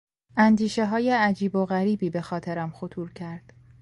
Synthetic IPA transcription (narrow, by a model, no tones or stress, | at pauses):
ʔænd̪iːʃe̞ɦɒːjeæd͡ʒiːbo̞ɣæɾiːbiːbe̞xɒːt̪ʰeɾæmxot̪ʰuːɾcʰæɾd̪̥